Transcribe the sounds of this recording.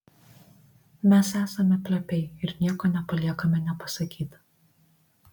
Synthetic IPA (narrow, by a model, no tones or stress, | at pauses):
mʲɛsæːsɐmʲɛpʲlʲɛpʲɛɪɪɾnʲiɛkoːnʲɛpɐlʲiɛkɐmʲɛnʲɛpɐsɐkʲiːt̪